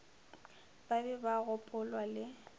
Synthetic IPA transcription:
b̥abɛbaɣʊpʼʊlwalɪ

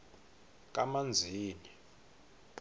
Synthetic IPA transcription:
k̬ʼamand͡zʱiːni

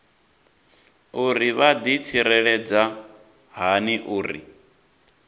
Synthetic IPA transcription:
uɾiβad̪it͡sʰiɾɛɺɛd͡za | ɦaniʔuːɾḭ

